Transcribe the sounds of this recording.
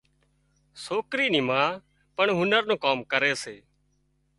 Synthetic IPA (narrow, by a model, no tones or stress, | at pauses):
soːkɾiːnĩːmãː | pəɳɦʊnəɾnõːkaːmkəɾeːseː